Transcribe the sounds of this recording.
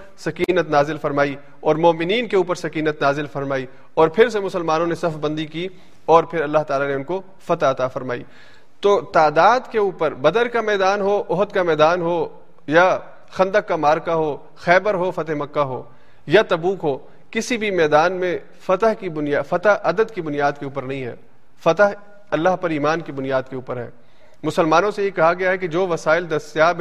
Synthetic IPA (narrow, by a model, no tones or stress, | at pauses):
sɐkiːnət̪naːzɪlfɐɾmaːi | ɔːɾmɔːmɪniːnkeuːpəɾsɐkiːnət̪naːzɪlfɐɾmaːi | ɔːɾpʰɪɾsemʊsəlmaːnõnesɐfbɐ̃nd̪iki | ɔːɾpʰɪɾɐlːaɦt̪aːlaneʊnko | fɐt̪aɐt̪afɐɾmaːḭː | t̪oːt̪aːd̪aːd̪keuːpəɾbɐd̪əɾkamɛːd̪aːnɦoʔʊɦt̪kamɛːd̪aːnɦoː | ja | xɐ̃nd̪əkːamaːɾkaɦoː | xɛːbəɾɦofɐt̪ɦemɐkːaɦo̰ː | jat̪ɐbuːkɦoː | kɪsibʱimɛːd̪aːnmẽ | fɐt̪əɦkibʊnijaːfɐt̪ɦʔɐd̪əd̪kibʊnijaːd̪̚keuːpəɾnɐɦĩɦɛ̰ː | fɐt̪əɦ | ɐlːaɦpɐɾiːmaːnkibʊnijaːd̪̚keuːpəɾɦɛ̰ː | mʊsəlmaːnõsejekɐɦaɡɐjaɦɛkid͡ʒoːʋɐsaːɪld̪ɐst̪jaːb